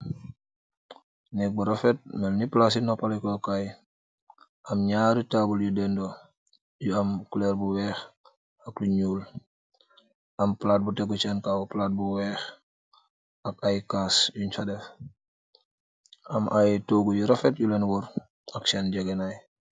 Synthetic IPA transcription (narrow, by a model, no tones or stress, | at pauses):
nɛk̚buɾafɛt̚mɛlniplas̬inɔpalikɔkaj | ʔamɲaːɾitabuljudɛndɔ | juamkulɛːɾbuwɛːx | akluɲuːl | ʔamplaːt̚butɛɡut͡ʃankawuplaːt̚buwɛːx | akajkaːsjuɲfadɛf | amʔajtoːɡujuɾafɛt̚julɛnwɔɾ | aksand͡ʒaɡɛnaj